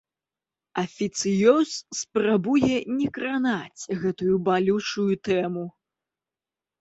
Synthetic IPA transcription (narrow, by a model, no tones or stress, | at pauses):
ɐfʲit̪sɨjɔsspɾabujɛnʲɛkɾanat͡sʲɣɛt̪ujubalʲut͡ʂujut̪ɛmu